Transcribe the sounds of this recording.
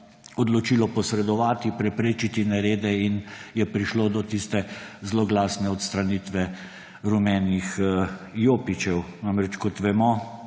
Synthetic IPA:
ɔd̪lɔt͡ʃilɔpɔsɾɛd̪ɔʋaːt̪ipɾɛpɾeːt͡ʃit̪inɛɾeːd̪ɛinjɛpɾiʃloːd̪ɔt̪ist̪ɛzlɔɡlaːsnɛɔt̪st̪ɾaniːt̪ʋɛ | ɾumɛːnixjoːpit͡ʃɛwnamɾɛt͡ʃkɔt̪ʋɛmɔ

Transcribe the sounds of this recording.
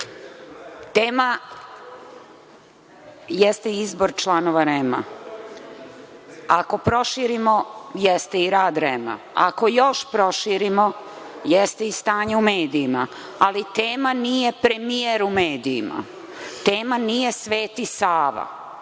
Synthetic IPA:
t̪eːma | jɛst̪eiizbo̞ɾt͡ʃlˠano̞ʋaɾema̰ | ako̞pɾo̞ʃiɾimojest̪eiɾaːd̪ɾema̰ | a̰ko̞jo̞ʃpɾo̞ʃiːɾimo̞ | jɛst̪eist̪aːɲeumeːd̪iːma | alit̪eːmanije̞pɾe̞mijeɾumeːd̪ḭːma̰ | t̪eːmanije̞sʋe̞ːt̪isaːʋa̰

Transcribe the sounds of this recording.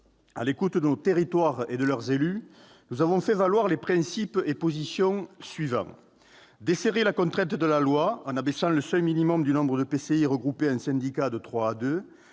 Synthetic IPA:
a̰lekut̪d̪ənot̪eʁit̪waʁed̪əlœʁzely | nuzavɔ̃fɛvalwaʁlepχɛ̃sipepozisjɔ̃sɥivɑ̰̃ | d̪eseʁelakɔ̃nt̪χɛ̃nt̪d̪əlalwaɑ̃nabɛsɑ̃ləsœlminimɔmd̪ynɔ̃bʁəd̪əpeseiʁəɡʁupeɛ̃sɛ̃nd̪ikad̪ət̪χwaːd̪ø

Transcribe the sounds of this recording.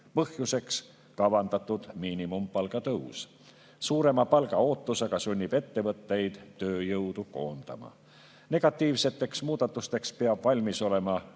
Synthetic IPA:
pɤhjuse̞ks | kɑvɑnd̪ɑt̪ːˑud̪̥miːnimumpɑlɡɑt̪ɤws | suːɾe̞mɑpɑlɡɑo̞ːt̪ːuseɡ̥ɑsunʲːib̥e̞t̪ːe̞vɤt̪ːe̞jd̪̥t̪ːøːjɤwd̪uko̞̰ːnd̪̥ɑ̰mɑ̰ | ne̞ɡ̥ɑt̪ːˑiːvse̞t̪ːˑe̞ksmuːd̪̥ɑt̪ːˑust̪e̞kspeɑb̥vɑlʲmiso̞le̞mɑ

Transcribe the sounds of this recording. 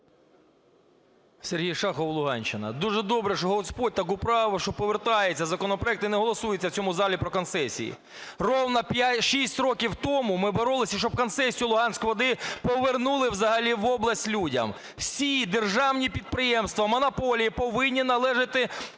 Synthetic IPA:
serɦijʃɑxɔwlˠʊɦɑ̰nʲt͡ʃːɪnɐ̰d̪uʒɛd̪ɔbɾɛʃɔɦɔspɔd̚ʲt̪ɐkʊpɾɑʋɔʃt͡ʃɔpɔʋert̪ɑjet͡sʲːɐzɐkɔnɔpɾɔɛkt̪ɪneɦɔlˠɔsujet͡sʲːɐwt͡sʲɔmʊzɑlʲipɾɔkɔnsɛsʲḭjḭ | rɔwnɐpʲjatʲʃisʲtʲrɔkʲiwt̪ɔmʊmɪbɔɾɔlˠɪsʲɐʃt͡ʃɔb̚kɔnsɛsʲijʊlˠʊɦɑnʲsʲkjʋɔd̪ɪpɔʋernulˠɪwzɐɦɐlʲiʋɔblˠɐsʲtʲlʲudʲɐ̰m | wsʲid̪erʒɑwnʲipʲid̪̚pɾɪjɛmst̪ʋɐmɔnɐpɔlʲijipɔʋɪnʲːinɐlˠɛʒɪt̪ɪ

